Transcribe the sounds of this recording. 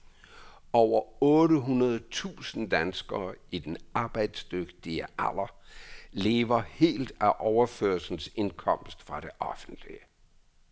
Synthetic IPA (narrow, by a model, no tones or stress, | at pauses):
ɒʊɐɔːɾəɦunɐð̩ˠt͡sʰṵːsn̩d̥ænsɡ̥ɐːid̥enɑ̈ːb̥ɑ̈ɪ̰d̥sd̥øɡ̥d̥iæʔæl̰ˠɐle̝ːʋɐhe̝̰ːld̥æʔɒʊɐføɐsn̩se̝nkʰɒ̽m̰sd̥fʁɑ̈ɾ̥e̝ʔɒ̽fn̩d̥liə